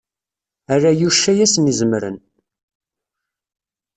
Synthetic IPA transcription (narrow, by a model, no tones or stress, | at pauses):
ærːajuʃːæjæsnizəmɾə̰n